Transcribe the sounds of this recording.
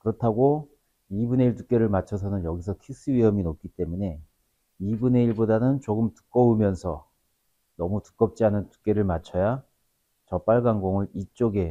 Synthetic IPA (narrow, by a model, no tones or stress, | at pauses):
kɯɾʌtʰaɡo | ibune̞iɭt̬uk͈e̞ɾɯɭmat͡ɕʰʌsʰʌnɯnjʌɡis̬ʰʌkʰis͈ɯɥiɦʌminop̚k͈it͈e̞mune̞ | ibune̞iɭbodanɯnt͡ɕoɡɯmtɯ̥k͈ʌumjʌnsʰʌ̰ | nʌmutɯ̥k͈ʌp̚t͡ɕ͈iɦanɯntu̥k͈e̞ɾɯɭmat͡ɕʰʌja | t͡ɕʌp͈aɭɡaŋɡoŋɯɾit͡ɕ͈oɡe̞